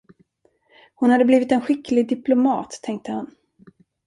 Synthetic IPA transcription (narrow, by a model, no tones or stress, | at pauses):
hʊnhad̪ːəbliːvɪt̪ɛnɧɪklɪɡd̪ɪplʊmɑ̰ːt̪ʰːɛŋk̚t̪əhan